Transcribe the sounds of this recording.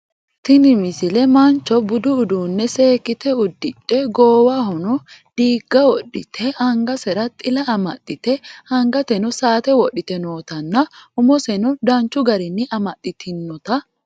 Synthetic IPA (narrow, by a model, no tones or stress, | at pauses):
t̪ɪnɪmɪsɪlɛmɐnt͡ʃːɔbʊd̪ʊːd̪uːnːɛse̞ːkːɪt̪ɛʊd̪ːɪᶑːɛɡoːwɐɦɔnɔd̪̥iːɡːɐwɔɗːɪt̪ʰɛʔɐŋɡɐsɛɾɐt̪ʼɪlɐɐmɐ̰t̪ʼːɪt̪ɛhɐŋɡɐt̪ɛnɔsaːt̪ɛwɔɗːɪt̪ɛnoːt̪ɐnːɐʊmɔsɛnɔd̪ɐnt͡ʃːʊɡɐɾɪnːɪʔɐmɐt̪ʼːɪt̪ʰɪnːɔt̪ɐ